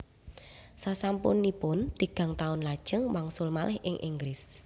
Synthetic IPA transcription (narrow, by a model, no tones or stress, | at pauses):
sasampʊ̰nːipʊnt̪iɡ̥a̤ŋt̪aʊnlad̥ʒ̥əŋwaŋsʊlmalɛhʔɪŋʔiŋɡɾɪs